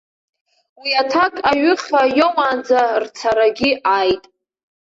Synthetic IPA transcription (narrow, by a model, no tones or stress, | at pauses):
wiatʰakʼaɥʏχʲajomand͡zart͡sʰaɾaɡʲɪajtʼ